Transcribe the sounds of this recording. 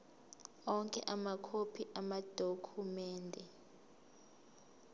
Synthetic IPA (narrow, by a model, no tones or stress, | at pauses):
ɔŋkʼɛʔamakʰopʰiʔamad̥ʱokʰumɛːndʱɛ